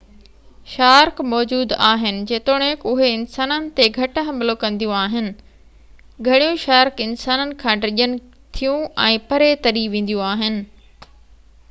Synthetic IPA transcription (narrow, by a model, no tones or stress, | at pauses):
ʃaːɾkmɔːd͡ʑuːd̪aːɦɪnɪ̆d͡ʑeːt̪oːɽ̃ekʊɦeɪnsaːnənɪ̆t̪eɡʱɐʈɦɐ̃mbɪlokɐ̃nd̪ijũaːɦɪnɪ̆ | ɡʱɐɽ̃ijũʃaːɾkɪnsaːnənɪ̆kʰãːɾɪʄənɪ̆ | t̪ʰijũɛ̃ːpɐɾet̪ɐɾiʋẽːn̆d̪ijũaːɦɪnɪ̆